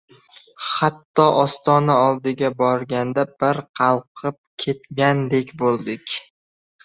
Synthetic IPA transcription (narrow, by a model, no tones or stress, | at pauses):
χat̪ʰːɒʔɒst̪ɒnaɒlˠd̪ɪɡʲabɒɾɡʲand̪abɪɾqʰɑlˠqʰɨp̚kʲʰe̞t̪ɡʲand̪ekʲbolˠd̪ɪkʲ